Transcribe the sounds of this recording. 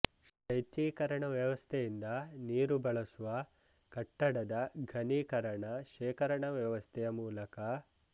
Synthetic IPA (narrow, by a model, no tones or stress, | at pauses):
ʃɐjt͡ʃ̪iːkɐɾɐɳɐʋjɐʋɐst̪ʰɛjind̪ɐniːɾubɐɭɐsuʋɐ | kɐʈːɐɽɐd̪ɐɡʱɐniːkɐɾɐɳɐʃɛːkɐɾɐɳɐʋjɐʋɐst̪ʰɛjɐmuːlɐkɐ